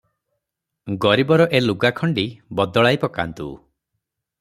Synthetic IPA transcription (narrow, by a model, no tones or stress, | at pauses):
ɡɔɾibɔɾɔʔeluɡakʰɔɳɖibɔd̪ɔɭajpɔka̰nt̪ṵ